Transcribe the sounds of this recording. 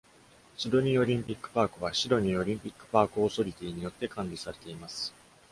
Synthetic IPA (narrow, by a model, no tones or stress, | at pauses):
sɨd̪o̞ɲ̟io̞ɾʲĩmpʲikːɯ̟̥paːkɯ̟βaɕid̪o̞ɲ̟io̞ɾʲĩmpʲikːɯ̟̥paːkɯ̟oso̞ɾʲit̪ʲiːɲ̟ijo̞t̪ːe̞kãɲɾʲisaɾe̞̥t̪e̞imasɨ̥